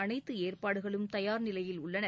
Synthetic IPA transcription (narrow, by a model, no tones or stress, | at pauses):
ɐnɐɪt̪ːɯeːrpaːɽɯɣɐɭɯmt̪ɐjaːɾnɪlɐjɪlʊɭːɐnɐ